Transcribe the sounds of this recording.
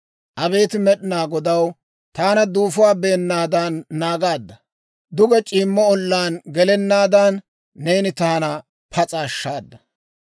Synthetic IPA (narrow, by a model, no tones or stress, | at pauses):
ʔɐbe̞ːt̪ɪmɛɗɪnaːɡɔd̪ɐw | t̪aːnɐd̪uːfʊwaːbe̞ːnːaːd̪aːnːaːɡaːd̪ːɐ | d̪ʊɡɛt͡ʃʼiːmːɔɔlːaːnɡɛlɛnːaːd̪aːnː | eːnɪt̪aːnɐ | pʰɐt͡sʼaːʃːaːd̪ːɐ̥